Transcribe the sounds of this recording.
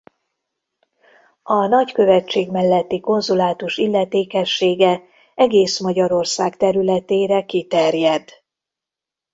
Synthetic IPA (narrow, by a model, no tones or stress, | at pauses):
ɒnɒckø̞vɛt͡ʃːeːɡmɛlːɛt̪ːiko̞nzulaːt̪uʃilːɛt̪eːkɛʃːeːɡɛ | ɛɡeːsmɒɟɒɾo̞rsaːkt̪ɛɾylɛt̪eːɾɛkit̪ɛrjɛd̪